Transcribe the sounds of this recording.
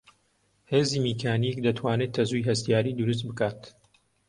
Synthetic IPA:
heːzimikʰaːnik̚d̪ɐt̪ʰwaːnet̪ʰːɐzujɦɐst̪ijaːɾiːd̪uɾus̬t̪̚bɨkaːt̪

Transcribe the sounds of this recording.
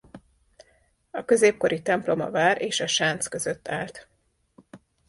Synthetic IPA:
ɒkø̞zeːp̚ko̞ɾʔit̪ɛmplo̞mɒ̰vaːɾʔeːʃɒʃaːnt̪skø̞zø̞t̪ːaːlt̪

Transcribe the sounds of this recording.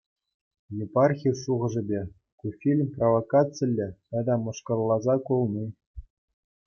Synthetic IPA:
jepɑrxʲirʂuʁɤ̆ʐɘ̆bʲe | kufʲilʲmʲprovokat͡sɘlʲːɘ̆ɑd̪ɑmɤ̆ʂkɤ̆rlˠːɑzɑkulˠnʲi

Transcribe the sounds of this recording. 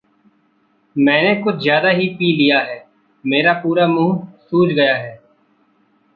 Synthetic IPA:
mɛ̃ːnekʊt͡ʃʰzjaːd̪aɦipiːlijaɦɛː | meːɾapuːɾamũːɦsuːt͡ʃɡɐjaɦɛː

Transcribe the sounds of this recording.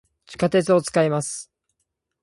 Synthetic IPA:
t͡ɕi̥kat̪e̞t͡sɨo̞t͡sɨ̥kaimasɨ̥

